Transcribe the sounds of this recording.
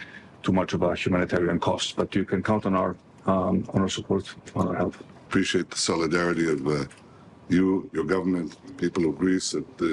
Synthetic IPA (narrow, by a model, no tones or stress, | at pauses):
t̪ʰumat͡ʃɔvahjumãnit̪ʰɛɹiãnkʰɔstsb̥ʌtjukʰɛ̃nkʰãw̃ntnaʊə˞ | ɔ̰̃nə˞supʰɔɹt̪ãnlhɛlˠθ | əpʰɹ̥iʃieɪt̪̚ðəsɔlˠɨdɛɹɨɾiʌv | jujə˞ɡʌvə˞mɨ̃ntðəpʰipl̩ˠʌvɡɹisɨt̚